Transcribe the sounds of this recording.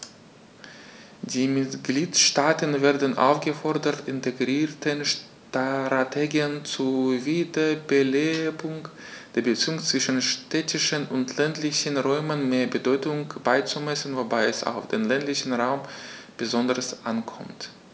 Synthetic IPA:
d̥iːmɪtɡ̥liːtʃtaːtənveːɐdən̩ʔa̰ʊfɡ̥əfɔɐdɐtɪntʰeɡʁiːtʰənʃ | tʁatʰeɡiənt͡suviːdɐbəleːbʊŋ | d̥eːɐbət͡siːʊŋt͡sv̥ɪʃn̩ʃtʰɛtɪʃənʊntʰlɛntlɪçənʁɔʏmənmeːɐbədɔʏtʊŋb̥aɪt͡sumɛsən̩vobaɪɛsa̰ʊfd̥eːnlɛntlɪçən̩ʁaʊmb̥əzɔndəʁəsʔankʰɔmt

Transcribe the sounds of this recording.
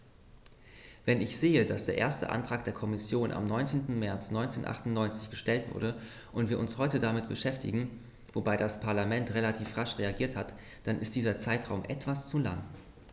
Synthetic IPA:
vɛnɪçz̥eːədasd̥eːɐʔḛːɐstə̰ʔa̰ntʁ̥aːk̚d̥eːɐkʰɔmɪsjoːnʔa̰mnɔʏnt͡seːntn̩mɛɐt͡snɔʏnt͡seːnʔa̰χtʊntnɔʏnt͡sɪçɡ̥əʃtɛltv̥ʊ̰ɐɾə | ʔʊntv̥iːɐʊnshɔʏtədamɪt̚b̥əʃɛftɪ̰ɡŋ̩ | vobaɪdaspʰaɐlamɛntʁelatʰiːfʁaʃʁeaɡiːɐthat | d̥anɪst̚d̥iːzɐt͡saɪtʁ̥aʊmʔɛtv̥ast͡sula̰ŋ

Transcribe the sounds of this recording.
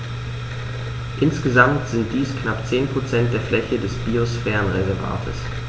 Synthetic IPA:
ʔɪnsɡ̥əzamtz̥ɪnt̚d̥iːsknapt͡seːnpʁ̥ot͡sɛnt̚d̥eːɐflɛçədɛsb̥iːosfɛːɐnʁɛzɛɐva̰ːtʰə̰s

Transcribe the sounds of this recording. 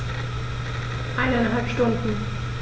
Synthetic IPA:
ʔaɪnaɪnɦalpʃtʊndn̩

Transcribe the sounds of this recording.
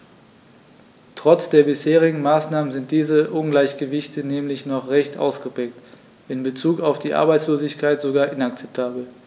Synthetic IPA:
tʁ̥ɔt͡sd̥eːɐbɪsheːʁɪɡŋ̩maːsnaːmənzɪnt̚d̥iːzəʔʊnɡlaɪçɡ̥əvɪçtənɛːmlɪçnɔχʁɛçtʔa̰ʊsɡ̥əbʁɛːk̚t | ʔɪnbət͡suːkaʊfd̥iːʔa̰ɐbaɪtt͡sloːzɪçkʰaɪtz̥oɡaːɐʔɪnak̚t͡sɛp̚tʰaːbl̩

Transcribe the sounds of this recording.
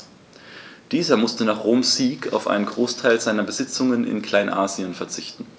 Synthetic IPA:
d̥iːzɐmʊstənaːχʁoːmsiːkʰa̰ʊfʔa̰ɪnənɡʁoːstʰaɪlzaɪnɐbəzɪt͡sʊŋənɪ̰nkl̥aɪnʔaːziənfɛɐt͡sɪçtn̩

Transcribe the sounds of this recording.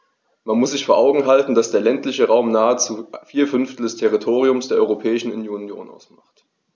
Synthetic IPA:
manmʊsz̥ɪçfoːɐʔaʊɡŋ̩ɦaltn̩d̥asd̥eːɐlɛntlɪçəʁaʊmnaːət͡sufiːɐfʏnftl̩dɛstʰɛʁitʰoːʁ̞iʊmsd̥eːɐʔɔʏʁopʰɛːɪʃn̩unjoːnjo̰ːnʔa̰ʊsmaχt

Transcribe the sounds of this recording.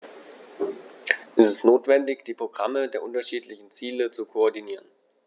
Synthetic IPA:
ʔɛstɪstnoːtv̥ɛndɪçd̥iːpʁ̥oɡʁamədeːɐʔʊntɐʃiːtlɪçn̩t͡siːlət͡sukʰoɔɐdiniːʁ̞ən

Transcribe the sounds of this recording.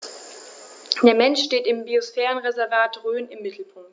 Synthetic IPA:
d̥eːɐmɛnʃteːtɪmbiosfɛːʁənʁezɛɐvaːtʁøːnɪmːɪtʰl̩pʰʊŋk̚t

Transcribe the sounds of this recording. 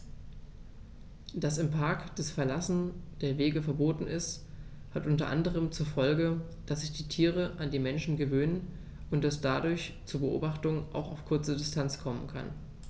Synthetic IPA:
d̥asɪmpʰaɐkd̥ɛsfɛɐlasn̩d̥eːɐveːɡəfɛɐboːtn̩ɪst | hatʔʊntɐ̰ʔa̰ndəʁ̞əmt͡suːɐfɔlɡə | d̥asz̥ɪçd̥iːtʰiːʁ̞əʔandiːmɛnʃn̩ɡəvøːnən | ʊnt̚d̥asd̥adʊɐçt͡suːɐbəʔo̰ːbaχtʊŋʔa̰ʊxaʊfkʰʊɐt͡sədɪstʰant͡skʰɔmənkʰa̰n

